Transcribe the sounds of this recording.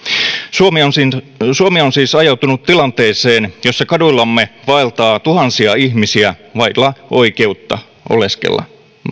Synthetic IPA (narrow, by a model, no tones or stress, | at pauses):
suomionsin | suomionsiːsɑjɑwt̪unut̪tilɑnt̪e̞ːseːnjo̞sːɑkɑdulːɑmːe̞ʋɑelt̪ɑːt̪uɦɑnsiɑihmisiæʋɑjlːɑʔo̞ike̞ut̪ːɑ̰ | ʔo̞̰le̞skḛlːɑ̰